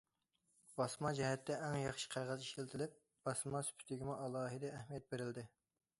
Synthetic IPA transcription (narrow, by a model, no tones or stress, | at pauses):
bɑsmɑd͡ʒɛɦɛt̪ʰːɛʔɛŋjɑχʃi̥qʰæɾʁɑziʃilt̪ʰɪlɪp̚ | b̥ɑsmɑsy̥pʰy̥t̪ʰɪɡʲimuʔɑlˠɑːɦɨd̪ɛːhmijɛt̪̚beɾɪld̪ɪ